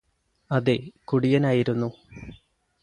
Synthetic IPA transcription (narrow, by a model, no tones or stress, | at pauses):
ɐðekuɽijɐnaːjiɾunːu